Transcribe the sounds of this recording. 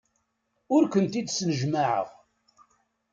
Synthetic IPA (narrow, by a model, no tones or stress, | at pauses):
ʊɾkʷənt̪id̪snəʒmaʕə̰ʁ